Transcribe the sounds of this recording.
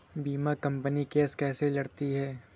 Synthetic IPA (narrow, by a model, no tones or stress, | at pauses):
biːmakɐ̃mpənikeːskɛːselɐɽt̪iɦɛː